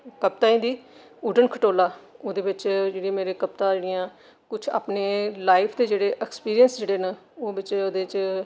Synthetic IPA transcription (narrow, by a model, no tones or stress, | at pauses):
kəp̚t̪aːĩːd̪iː | uɖənkʰəʈoːlaːoːd̪eːbɪt͡ʃd͡ʒeːɽĩaːmeːɾeːkəp̚t̪ãːd͡ʒeːɽijãː | kʊt͡ʃʰa̰ːpneːlaːɪpʰd̪eːd͡ʒeːɽeːʔɛkspiːɾijənsd͡ʒeːɽeːnãoːbɪt͡ʃoːd̪eːt͡ʃ